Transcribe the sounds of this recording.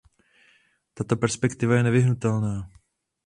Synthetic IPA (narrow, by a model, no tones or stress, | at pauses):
t̪at̪o̞pɛɾspɛkt̪ɪvajɛnɛvɪɦnut̪ɛlnaː